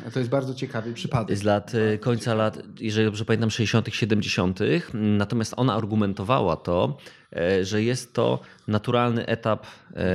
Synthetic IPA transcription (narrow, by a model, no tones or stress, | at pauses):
t̪ɔjɛst̪baɾd̪ɔt͡ɕɛkavɘpʂɘpad̪ɛzlat̪kɔɲt̪salat̪jɛʐɛlid̪ɔbʐɛpamʲent̪amfʂɛʑd͡ʑeɕɔ̃nt̪ɘxɕɛd̪ɛmd͡ʑeɕɔnt̪ɘxnat̪ɔmʲjast̪ɔnaːɾɡumɛnt̪ɔva̰wa̰t̪ɔ | ʐɛjɛst̪ːɔ̰ | nat̪uɾalnɘ̰ʔɛt̪ap